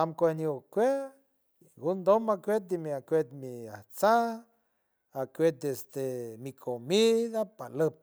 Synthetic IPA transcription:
amkʷeniokʷe | ɡund̪omakʷet̪̚d̪imiakʷet̪mia̰ht͡sa | akʷet̪̚esd̪emikʰomiðapaləp̚

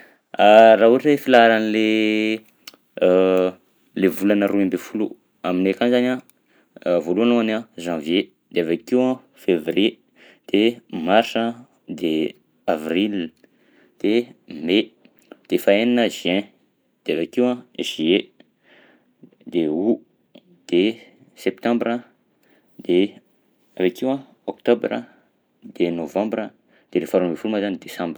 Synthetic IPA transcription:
araɦuʈ͡ʂlefilaɾanile | levulanəɾuembefulṵ | aminekanzanʲã | voluanuanãʒãvje | d̪̥eavakewã | fevrie | d̪̥emaɾsa | d̪e | avril | d̪̥eme | d̪̥efaenanəziɛ̃ | d̪̥eavakiwãʒ̥ie | d̪eu | d̪̥e | sɛp̚t̪ãmbɾə | d̪̥e | avakiwã | okt̪obɾə̰ | d̪̥enovãmbɾə | d̪̥eɾefaɾumefulumazanid̪esãmb

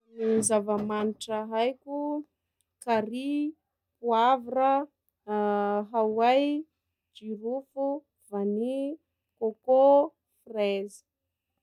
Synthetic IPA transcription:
nizavəmaniʈ͡ʂəɦajkʲu | kaɾi | puavrə | ɦawaj | d͡ʒiɾufu | vani | koko | frezi̥

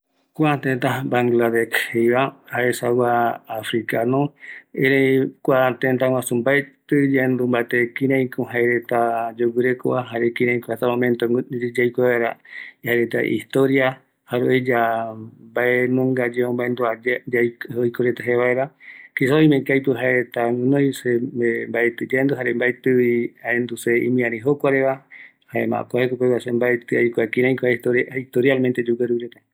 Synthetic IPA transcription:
kʷat̪ẽnt̪abaŋɡlad̪ekhejβahaesawaːfɾikanõeɾekʷat̪ẽnt̪̬awãsumbaet̪ɨd͡ʒand̪umbat̪ekĩɾãĩkõɦaeɾet̪ad͡ʒowɨɾeko̰aɦaɾekĩɾãj̃koat̪amõmẽnt̪od͡ʒajkʷeβaeɾa̰haɾet̪a̰ʔḭst̪oɾia | haɾeed͡ʒa | baenõŋɡad͡ʒeõmbaend̪uad͡ʒd͡ʒaojkoɾet̪aɦeβaeɾakisaoimẽkajpɨɦaeɾet̪aŋɨnõjseembaet̪ɨd͡ʒand̪uɦaɾembaet̪ɨiaend̪useimĩãɾĩɦokʷaɾeβa | haema̰ʔkoahekokeβasembaet̪ɨajkʷakĩɾãjkoat̪oɾiht̪oɾjalmẽnt̪ed͡ʒuɡaɾuɾet̪a

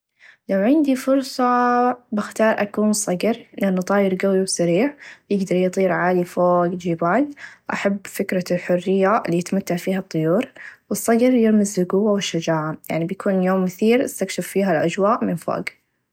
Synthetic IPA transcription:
lawʕɪnd̪ifʊɾsˤɑbɪxt̪ɑːɾˤʔakuːnsˤɑɡɾlɪʔanːʊt̪ˤɑːjɪɾɡawiwsaɾiːʕbjɪɡd̪ɑɾˤjt̪ˤiːɾʕaːlifoːɡd͡ʒiːbaːlʔa̰ħabːfɪkɾɑlħʊrːɪjːalːiːjɪt̪mat̪ːaʕfiːhɑt̪ˤːʊjuːɾwɨsˤːɑɡɾjɪɾmɪzːʊɡʊwːawɪʃːad͡ʒaːʕaja̰ʕnibjakuːnjoːmːʊθiːɾʔɪst̪akʃɪfːiːɦalʔad͡ʒwaːʔmɪnfo̰ːɡ

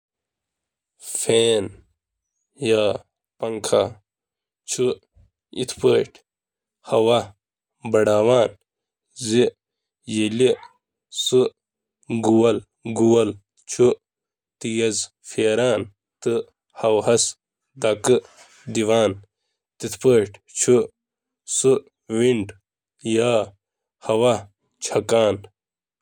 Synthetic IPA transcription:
feːn | jaː | pɐŋkʰa | t͡ɕʰu | ḭt̪ʰpəːʈ | hɐwa | bɐɽaːwaːn | zi | jeli | sɨ | ɡuwɐl | ɡuwɐl | t͡ʃʰu | t̪ijɐz | feːɾaːn | t̪ɨ | hɐwhɐs | d̪akɨ | d̪iwaːn | t̪it̪ʰpəːʈʰt͡ɕʰu | su | wiɳɖ | jaː | hɐwa | t͡ɕʰɐkaːn

